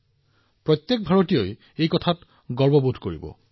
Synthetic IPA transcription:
pɹɔt̪jɛk̚bʱaɹotijoj | ejkɔtʰat | ɡɔɹbɔbudʱkoɹḭbɔ̰

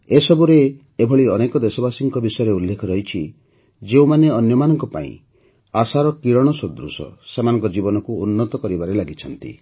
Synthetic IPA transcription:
esɔbuɾeː | bʱɔɭiɔnekɔd̪esɔbasiŋkɔbisɔjɔɾeulːekʰɔɾɔɦit͡ʃʰi | d͡ʒeumaneɔnjɔmanɔŋkɔpa̰ḭ̃ | asaɾɔkiɾɔɽ̃ɔsod̪ɾṵsɔ̰semanɔ̃ŋkɔd͡ʒibɔnɔkuːnːɔt̪ɔkɔɾibaɾelaɡit͡ʃʰɔnt̪ḭ

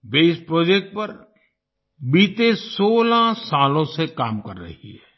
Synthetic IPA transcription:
ʋeːɪspɾoːd͡ʒeːk̚ʈ̚pɐɾ | biːt̪esoːlasaːlõsekaːmkɐɾːɐ̰ɦḭɦɛː

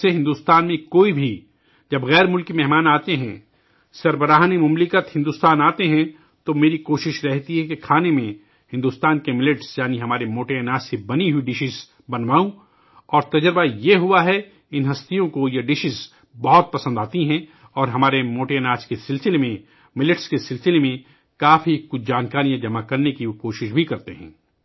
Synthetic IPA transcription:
seɦɪ̃nd̪ust̪aːnmẽkoːibʱi | d͡ʒɐbɣɛːɾmʊlkimɛɦmaːnaːt̪eɦɛ̰̃ | sɐɾbəɾaːɦnemʊmlɪkət̪hɪ̃nd̪uːst̪aːnaːt̪eɦɛ̃ | t̪omeːɾikoːʃɪʃɾɛɦt̪iɦɛkekʰaːnemẽ | hɪ̃nd̪uːst̪aːnkemɪlɪʈsjaːniɦɐmaːɾemoːʈeɐnaːssebɐniɦuiɖɪʃɪz | bɐnʋaːũ | ɔːɾt̪ɐd͡ʒɾbajeɦʊaɦɛ | ɪnɦɐst̪ijõkojaɖɪʃɪz | bɐɦɔt̪̚pɐsə̃nd̪aːt̪iɦɛ̃ | ɔːɾɦɐmaːɾemoːʈeɛnaːskesɪlsɪlemẽ | mɪlɪʈskesɪlsɪlemẽ | kaːfikʊd͡ʒaːnkaːɾijãd͡ʒɐmakɐɾnekikoːʃɪʃbʱikɐɾt̪eɦɛ̃ː

